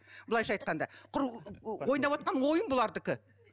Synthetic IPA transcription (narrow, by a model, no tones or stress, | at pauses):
b̥əlˠɑjʃɑjt̪̚qɑnd̪ɑqʰʊɾwojənd̪ɑpwot̪̚qɑnwo̞jənbʊlˠɑɾd̪ɪkʲɪ